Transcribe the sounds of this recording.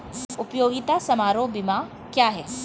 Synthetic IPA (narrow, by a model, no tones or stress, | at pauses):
ʊpjoːɡɪt̪asɐmaːɾobɪma | kjaːɦɛː